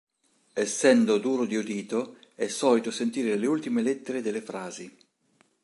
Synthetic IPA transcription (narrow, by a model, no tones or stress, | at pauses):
ɛsːɛnd̪od̪uːɾod̪iud̪iːt̪o | ɛsːɔːlit̪osent̪iːɾeleult̪imelɛt̪ːeɾed̪elːefɾaːzi